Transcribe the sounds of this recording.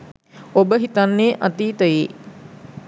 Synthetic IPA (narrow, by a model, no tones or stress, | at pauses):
obəɦit̪anːeːʔat̪iːt̪əjeː